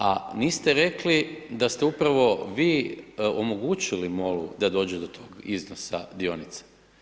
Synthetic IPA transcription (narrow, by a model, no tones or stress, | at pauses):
aniːst̪eɾe̞klid̪ast̪eupɾaʋo̞ʋiːomo̞ɡut͡ɕilimo̞lṵd̪ad̪o̞ːd͡ʑed̪o̞t̪ʰo̞ːɡiznosa̰d̪io̞nit̪sḁ